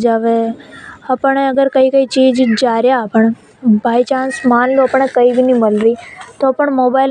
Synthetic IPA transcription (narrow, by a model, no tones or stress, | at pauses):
d͡ʒaʋe | əpɳeəɡəɾkəikəit͡ʃiːd͡ʒd͡ʒd͡ʒaːɾjapəɳ | bʱaːit͡ʃãːnsmaːnloɐpəɳ̃ekəibʱinĩməlɾiːt̪oːpəɳmoːbaːɪl